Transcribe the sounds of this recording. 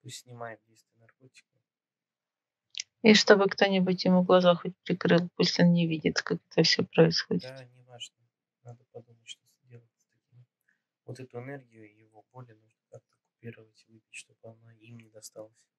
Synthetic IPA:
pusʲtʲsʲnʲɪmajɪt̪̚dʲejst̪vʲɪjənɐrkotʲɪ̥kə | iʂt̪o̞bɨkt̪o̞nʲɪbʊtʲjɪmuɡlˠɐzaxot̚ʲpɾʲɪkɾɨlˠpusʲlʲonnʲɪvʲidʲɪt̪kakɛt̪əfsʲɵpɾəɪsxo̰dʲɪt̪nʲɪvaʐnə | nad̪əpɐd̪umətʲʂt̪osdʲelˠəɪt̪t̪ɐkʲim | vot̪ɛt̪ʊɛnɛrɡʲɪjʊjɪvo̞bolʲɪnuʐnəkak̚t̪əkʊ̥pʲiɾəvətʲɪvɨpʲɪtʲʂt̪obɨɐnaimnʲɪd̪ɐst̪alˠəsʲ

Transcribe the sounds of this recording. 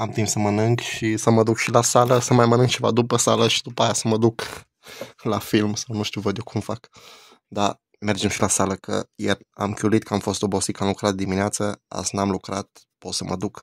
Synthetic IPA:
amt̪impsəmənɨŋɡʃisəməd̪ukʃilasaləsəmajmənɨŋk̚t͡ʃe̞va̰d̪upəsaləʃi̥d̪upaːjasəməd̪uk | lafilmsawnuʃt̪iuvəd̪jokʰumfak | d̪a | me̞rd͡ʒe̞mʃilasaləkə̰jera̰mkʲjulit̪̚kəamfo̞st̪o̞bosit̪̚kəamlukɾat̪̚d̪imineat̪səa̰snamlukɾat̪̚ | po̞t̪səmə̰d̪uk

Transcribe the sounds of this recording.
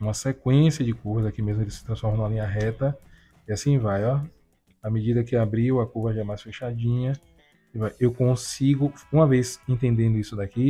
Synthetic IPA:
ũmɐsekwẽsijɐd͡ʒɪkuvɐzakimezmʊelɪsɪ̥t̪ɾɐ̃sfɔɾmɐñalĩɲɐɦɛt̪ɐ | iasĩvajɔ | amed͡ʒid̪ɐkɪabɾiwɐkuvɐʒaɛmajsfeʃad͡ʒĩɲɐ | ivajewkõsiɡʊũmɐvezẽnt̪ẽnd̪ẽnd̪ʊisʊd̪aki

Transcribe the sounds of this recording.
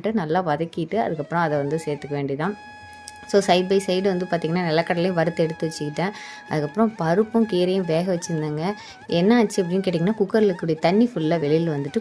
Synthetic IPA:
ʈːɯnɐlːaːʋɐðɐkːɪɪʈːɯɐ̰ðɯkːɐpːɯɾɔ̃ɐðɛʋɐnd̪ɯseːɾt̪ɯkːɐʋeːɳɖiɐt̪ãː | soːsɐɪbɐɪsɛjɽɯʋɐnd̪ɯpaːɾt̪iŋɡɐnːaːnɛlːɐkːɐɽɐlɐjʊ̃ʋɐɾɯt̪ːɯɛɽɯt̪ːɯʋɐt͡ʃːɯkɪʈːẽː | ɐ̰ðɯkːɐpːɾɔ̃pɐɾɯpːɯ̃mkiːɾɐjʊ̃ʋeːɣɐʋɐt͡ʃːɯɾɯnd̪aːŋɡɐ | ɛnːɐaːt͡ʃːiɐpːɐɽɪnːk̬eːʈːiːŋɡɐnːaːkʊkːɐɾɐlɯkːɯɽɐjɐt̪ɐɳːifʊlːɐʋɛɭɪjɪlʋɐnd̪ɯʈːɯ

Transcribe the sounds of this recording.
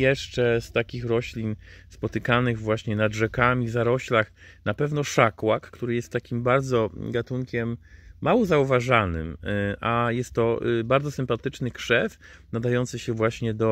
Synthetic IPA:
jɛʂt͡ʂɛst̪akʲixɾɔɕlʲinspɔt̪ɘkanɘɣvwaɕɲɛnadʐɛkamʲizaɾɔɕlax | napɛvnɔʂakwakːt̪uɾɘjɛst̪ːakʲimbaɾd̪zɔɡat̪uŋkʲɛmːawɔzauvaʐanɘ̰mʔajɛst̪ːɔbaɾd̪zɔsɘmpat̪ɘt͡ʂnɘkʂɛf | nad̪ajɔnt̪sɘɕɛvwaɕɲɛd̪ɔ

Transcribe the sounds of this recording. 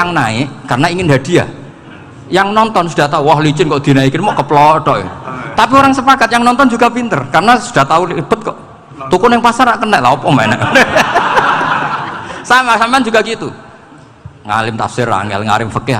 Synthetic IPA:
aŋnaekarənaiŋɪnd̪ad̥̪i̤a̰ | jaŋnɔnt̪ɔnsud̥a̤ht̪auwɔɦlit͡ʃɪnkɔʔd̪̥i̤naikinmɔʔkəplɔɖɔʔḛt̪apioɾaŋsəpakat̪̚jaŋnɔnt̪ɔnd͡ʒuɡapint̪ərkaɾənasu̥d̥a̤ht̪aulib̥ə̤t̪̚kɔʔ | t̪ukunɪŋpasaɾaʔkənɛʔlahɔpɔmanɛ̰ʔnɛ | samasampeand͡ʒuɡakit̪u | ŋa̰lɪmt̪a̰psɪɾa̰ŋɛ̰lŋa̰lɪmfəkɪɦa

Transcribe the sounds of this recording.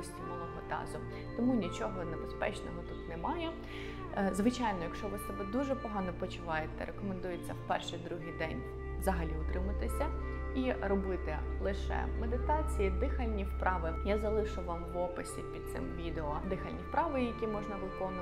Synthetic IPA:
sʲtʲimɔlˠɔɦɔd̪ɑ̰zʊ | t̪ɔmunʲit͡ʃɔɦɔnebespɛ̰t͡ʃnɔɦɔt̪ut̪nɛmɑjɛ | zʋɪt͡ʃɑjnɔjɐkʃt͡ʃɔʋɪsɐbɛd̪uʒɛpɔɦɑnɔpɔt͡ʃʊʋɑjet̪ɛ̰ɾʔekɔmend̪ujet͡sʲːɐwpɛrʃɪjd̪ɾuɦɨjd̪ɛnʲ | ʋzɐɦɐlʲiʊt̪ɾɪmɐt̪ɪsʲɐirɔbɪt̪ɪlˠɪʃɛ̰med̪ɪt̪ɑt͡sʲijid̪ɪxɐlʲnʲifpɾʔɑʋɪjazɐlˠɪʃʊʋɑmʋɔpɪsʲipʲid̪̚t̪sɪ̰mʋʲid̪eɔd̪ɪxɐlʲnʲifpɾɑʋɪjɐkʲimɔʒnɐʋɪkɔnʊ

